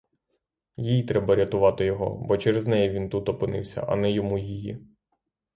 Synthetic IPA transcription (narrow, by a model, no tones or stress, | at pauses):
jijit̪ɾɛbɐɾʲɐt̪ʊʋɑt̪ɪjɔɦɔ̰bɔt͡ʃɛɾeznɛjɛʋʲint̪ut̪ɔpɪnɪ̰wsʲɐ̰ʔɐ̰nɛjɔmujiji